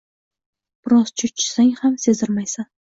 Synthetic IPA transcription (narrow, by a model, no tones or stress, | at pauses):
b̥ɪɾɒz̥t͡ʃʰʊt͡ʃʰɪ̥saŋʲhamse̞zɪɾmajsan